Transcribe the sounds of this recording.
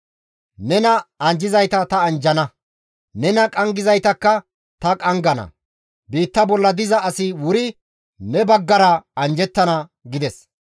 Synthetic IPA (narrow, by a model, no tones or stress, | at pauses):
nɛnɐɐnd͡ʒɪzɐjt̪ɐt̪ɐɐnd͡ʒɐnɐ | nɛnɐkʼɐŋɡɪzɐjt̪ɐkːɐ | t̪ɐkʼɐŋɡɐnɐ̰ | biːt̪ːɐbɔlːɐd̪ɪzɐːsɪwʊɾɪ | nɛbɐɡːɐɾɐɐnd͡ʒɛt̪ːɐnɐɡɪd̪ɛs